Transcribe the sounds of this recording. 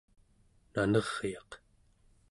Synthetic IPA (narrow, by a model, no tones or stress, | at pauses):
nanʌʁ̥jɑq